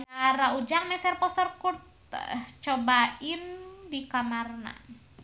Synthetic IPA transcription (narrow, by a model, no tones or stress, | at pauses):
araud͡ʒaŋmɛsɛrpɔst̪ərkurt̪̚ | t͡ʃɔbaindikamarna̰